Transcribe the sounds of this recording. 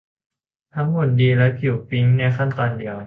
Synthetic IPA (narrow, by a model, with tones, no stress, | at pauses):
t̪ʰa˦˥ŋmo˨˩t̪̚diː˧lɛ˦˥pʰi˨˩pi˦˥ŋnɛ˧˥˩kʰa˥˩nt̪ɔː˧ndi˧əw